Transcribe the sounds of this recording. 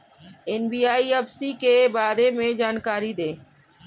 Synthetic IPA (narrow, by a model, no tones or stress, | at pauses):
enbiːaːiəbsikebaːɾemẽd͡ʒaːnkaːɾid̪eː